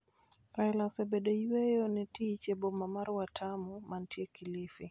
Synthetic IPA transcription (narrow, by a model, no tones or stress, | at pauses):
ɾaɛlaɔsɛbɛdejwejonɛtit͡ʃebɔmamaɾwatʰamumantiekilifi